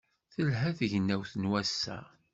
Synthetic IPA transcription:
θəlɦæθəʝənːæwθənwæsːæ̰

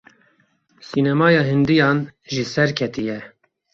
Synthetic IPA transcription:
sinɛmɑːjɑːɦɪnd̪ijɑːnʒɪsɛɾkʰɛt̪ʰijɛ

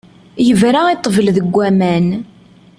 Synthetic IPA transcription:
jəvɾait̪ˤːvəlðəɡʷːæmæn

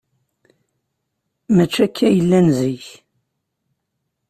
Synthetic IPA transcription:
mæt͡ʃːækʰːæjəlːænziç

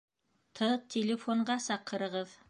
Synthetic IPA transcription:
t̪ʰɤt̪ʲʰɪlʲɪfoɴɢɑsɑqɤ̆ɾɤ̆ʁɤð

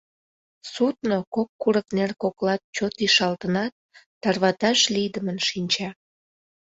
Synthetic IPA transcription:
sut̪nokokːuɾəknerkoklɑt̪̚t͡ɕot̪iʃɑlt̪ənɑt̪̚ː | ɑrβɑt̪ɑʃlid̪əmənʃinʲt͡ɕɑ

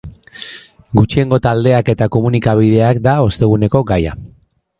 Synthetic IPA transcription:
ɡut͡ʃie̞ŋɡo̞t̪ald̪e̞ake̞t̪ako̞munikaβ̞iðe̞akd̪ao̞st̪e̞ɣ̞une̞ko̞ɡaja̰

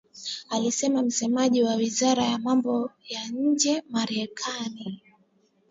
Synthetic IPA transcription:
alisɛmam̩sɛmaʄiwawizaɾajamambɔjaɲ̩d͡ʒɛmaɾɛkʰani

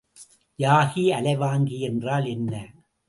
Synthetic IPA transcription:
jaːɣiɐlɐɪʋaːŋɡiɛndraːlɛnːɐ

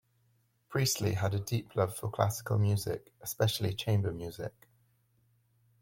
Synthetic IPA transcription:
pʰɹ̥iˑstlḭədədiˑpʰlʌv̥fəkʰl̥a̰sɪ̥kə̰lˠmjʉːzɪ̰k | ɛspɛʃəlḭt͡ʃʰẽɪ̃mbəmjʉːzɪ̰k

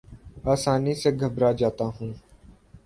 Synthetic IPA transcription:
aːsaːniːsẽːɡʱəbɾaːd͡ʒaːt̪aːɦũː

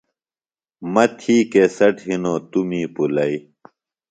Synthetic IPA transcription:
mɐt̪ʰiːkesɐʈɦinoːt̪umiːpulɐi

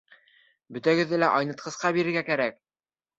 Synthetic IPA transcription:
bɵ̆t̪æɡɘ̆ðːɘlæʔɑjnɤ̆t̪̚qɤ̆sqɑbiɾɘ̆ɾɡækæɾæk̚

